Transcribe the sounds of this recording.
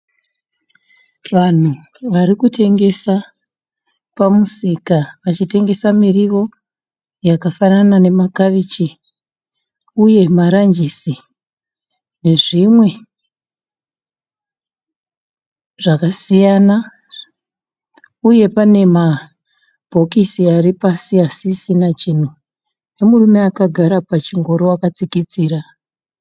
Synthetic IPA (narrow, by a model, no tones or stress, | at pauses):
ʋan̤u | ʋaɾikutʰe̞ŋɡe̞sa | pamusikaʋat͡ʃite̞ŋɡe̞samiriʋo̞ | jakafananane̞makaʋit͡ʃi | uje̞maɾaɲd͡ʒisi | ne̞ʐimwe̞ | ʐ̥akasijana | uje̞pane̞ma | b̥ʱo̞kisiaripasiasisinat͡ʃin̤u | ne̞murume̞akaɡʱaɾapat͡ʃiŋɡo̞ɾowakat͡sikit͡siːɾa